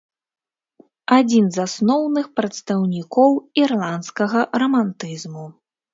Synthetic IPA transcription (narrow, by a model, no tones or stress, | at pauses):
ad͡zʲinzasnɔwnɨxpɾɐt̪st̪ɐwnʲikɔwirlˠant̪skɐɣɐrɐmant̪ɨzmu